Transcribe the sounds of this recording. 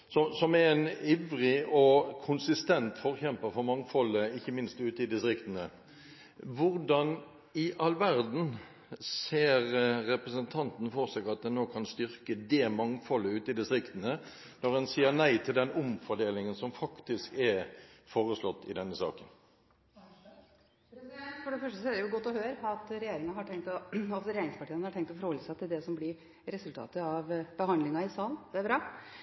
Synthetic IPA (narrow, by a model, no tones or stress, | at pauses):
sɔsɔmɛɾɛniʋɾɪɔkʰʊnsɪst̪ɛnt̪fɔʁçɛmpəɾfɔʁmɑŋfɔləɪçːəmɪnst̪ʉːt̪əɪd̪ɪst̪ɾɪkt̪ənə | ʋʊʁdɑn | ɪʔɑlʋæʁd̪n̩ | seːɾːɛpɾəsənt̪ʰɑnt̪n̩fɔʁsɛɡɑt̪̚d̪ɛnnːoːkʰɑnst̪ʏʁkəd̪eːmɑŋfɔlːəʉːt̪ɪd̪ɪst̪ɾɪkt̪ənə | nɔʁɛnsiːəɾnæɪt̪ʰɪld̪ɛnʊmfɔɖeːlɪŋənsɔmfɑkt̪ɪskɛɾfoːɾəslɔt̪ːɪ̰d̪ɛnːəsɑ̰ːkən | pɾɛsd̪ɛnt̪fɔɖɛfœʂʈəsɔædɛjʊɡɔt̪ːɔhøːɾəɑt̪ɾɛjeːɾɪŋɑhɑʈʰɛŋkt̪ɔɑsɾɛjeːɾɪŋspɑʈʰiːənhɑʈʰɛŋkt̪ɔfɔɾhɔləsæɛt̪ːɪd̪ɛsɔmblɪɾ | ɾɛsʉlt̪ʰɑ̰ːt̪əɑʋb̥əhɑnd̪lɪŋɑɪsɑːlnd̪̥ɛæɾbɾɑː